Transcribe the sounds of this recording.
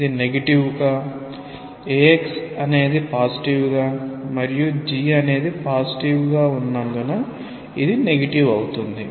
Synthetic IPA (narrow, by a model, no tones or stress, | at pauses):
id̪ineɡɐʈiʋuɡaː | eːeksɐne̞ːd̪ipaːsi̥ʈiʋuɡaːmɐɾijud͡ʒiːɐne̞ːd̪ipaːsi̥ʈiʋuɡaːunːɐnd̪unɐ | id̪ine̞ɡɐʈiʋɐwut̪und̪i